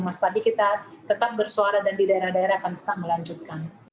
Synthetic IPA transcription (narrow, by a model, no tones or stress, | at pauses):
mast̪adikit̪at̪ət̪ap̚bərsuaɾadandidaeɾahdaeɾahakant̪ə̥t̪aʔ̚məlaɲd͡ʒut̪̚kan